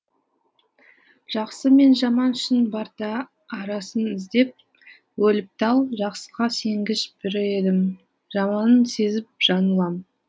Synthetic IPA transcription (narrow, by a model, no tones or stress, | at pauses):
ʒ̥ɑqsəme̞nʒɑmɑnʃɪnbɑɾt̪ɑː | ɾɑsənɪzd̪e̞p̚ | wɵlɪp̚t̪ɑlˠʒɑqsə̥ʁɑse̞ŋɡʲɪʃbɪɾɪe̞d̪ɪm | ʒ̥ɑmɑnənse̞zɪp̚ʒ̥ɑnəlˠɑm